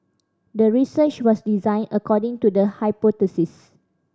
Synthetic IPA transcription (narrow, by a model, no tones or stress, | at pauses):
dəɹisət͡ʃwɔsdizãj̃nəkɔdɪ̃ŋtudəhajpɔtəsis